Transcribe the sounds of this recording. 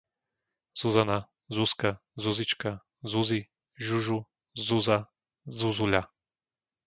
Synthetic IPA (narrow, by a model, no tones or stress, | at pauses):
z̥uzana | zuska | zuzit͡ʃka | zuzi | ʒuʒu | zuza | zuzuʎa